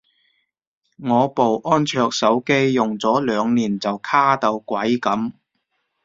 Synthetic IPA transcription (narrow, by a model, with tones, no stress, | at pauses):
ŋɔː˨˧po˨wʔɔː˥nt͡ʃʰœː˧k̚sɐ˨˥wke˥jjʊ˨˩ŋt͡sɔː˨˥lœː˨˧ŋniː˨˩nt͡sɐ˨wkʰaː˥t̪ɐ˧wkʷɐ˨˥jkɐ˨˥m